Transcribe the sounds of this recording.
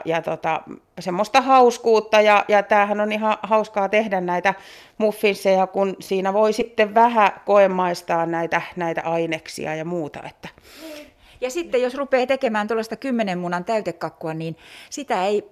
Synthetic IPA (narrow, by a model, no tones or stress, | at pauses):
jɑt̪ot̪ɑ̰ | semːost̪ɑhɑuskuːt̪ːɑjɑjɑt̪æːhænonihɑhɑuskɑːt̪ehdænnæit̪æ | mufːinsːejɑkunsiːnæʋoisit̪ːeʋʋæhækoemːɑist̪ɑːnnæit̪ænæit̪æ̰ʔɑineksḭɑjɑmuːt̪ɑ̰ḛt̪ːæ̥ | jɑsit̪ːejjosrupeːt̪ekemæːnt̪olːɑst̪ɑkymːenemmunɑnt̪æyt̪ekːɑkːuɑniːnsit̪æei